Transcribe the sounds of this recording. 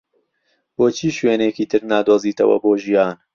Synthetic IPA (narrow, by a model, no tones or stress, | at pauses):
boːt͡ʃʰiːʃweːneːkiːt̪ʰɨɾnaːd̪oːziːt̪ʰɐ̰wɐ̰boːʒijaːn